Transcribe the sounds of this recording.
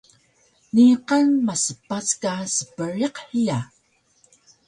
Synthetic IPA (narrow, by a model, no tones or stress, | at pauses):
niqanmasəpaskasə̥pəɾiqhija